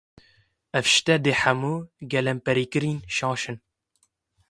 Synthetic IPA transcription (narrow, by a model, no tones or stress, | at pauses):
ɛfʃt̪ɛd̪eːħæmuːɡɛlɛmpɛɾiːkɨɾiːnʃɑ̃ːʃɨn